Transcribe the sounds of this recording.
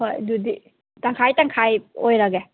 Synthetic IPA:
hojdudi | taŋkʰajtaŋkʰajojɾaɡe

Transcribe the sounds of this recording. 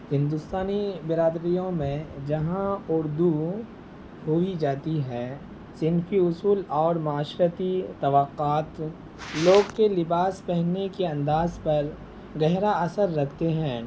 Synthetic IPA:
hɪ̃nd̪ʊst̪aːnibɪɾaːd̪ɾijõmẽd͡ʒɐɦãʊɾd̪u | hoid͡ʒaːt̪iɦɛː | sɪnfiʊsuːlɔːɾmaːʃɾət̪it̪ɐʋəqːaːt̪ | loːɡkelɪbaːspɛɦnekeɐ̃nd̪aːzpɐɾ | ɡɛɦɾaɐsəɾːɐkʰt̪eɦɛ̃ː

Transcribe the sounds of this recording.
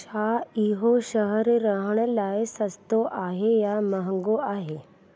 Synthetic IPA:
aiɦoɕəɦəɾɾəɦɳlajesəst̪oʔaɦejaməɦəŋɡoaɦe

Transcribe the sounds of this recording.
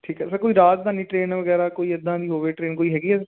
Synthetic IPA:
ʈʰiːkɦɛːsəɾkoːiːɾaːt̪d̪aːniːʈɾeːnʋəɡɛːɾaːkoːiːəd̪ːãːd̪iːɦoːʋeːʈɾeːnkoːiːɦɛːɡiːɛːsɾ

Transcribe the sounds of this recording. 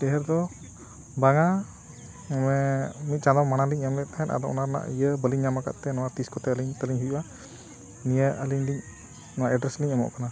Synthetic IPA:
t̪ɛɦɛɾd̪ɔ | baŋa | mɛmit̪̚t͡ʃad̪ɔmanaliɲamlɛʔ̚t̪aɦɛnʔa̰d̪ɔɔ̰naɾna̰ʔijəbəliɲɲamaka̰ʔt̪ɛnɔwat̪iskɔt̪ɛəliŋt̪əliŋɦuʔua | nijəʔəliɲliɲ | nɔwaʔɛɖɾɛsliɲamɔ̰ʔkana

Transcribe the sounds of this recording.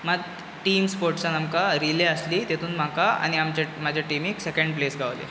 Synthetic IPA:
məɡ | ʈiːmspoɾʈsanamkaɾileəsliːt̪et̪ʰuːnm̤akaa̰ɽ̃iamt͡ɕamad͡ʑʱjaʈimiksekə̃ɳɖ̚plesɡʱaʋlḛ

